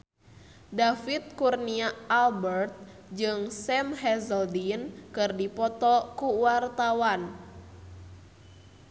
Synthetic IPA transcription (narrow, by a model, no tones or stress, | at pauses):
dafit̪̚kurniaːlbərt̪̚ | d͡ʒɨŋsɛmɦɛzəldinkɨrdipɔt̪ɔkuwart̪awan